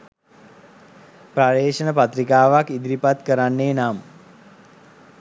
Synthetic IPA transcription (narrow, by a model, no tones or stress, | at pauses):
praɾeːʂənəpat̪rikaːʋakid̪ɾipat̪kəɾanːeːnam